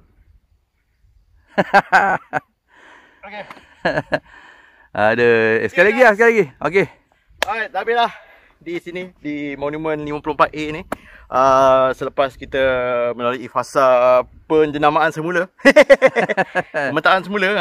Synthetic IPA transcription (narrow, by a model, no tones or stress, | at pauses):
ʔadəsəkajlaɡilasəkalaɡio̰ke | aj̚d̪abilah | disinidimonũmə̃nliməpəlompat̪enĩ | ʔəsələpaskit̪əmənoliifasapənd͡ʒənamaʔansəmulə | əmə̃nt̪aansəmulə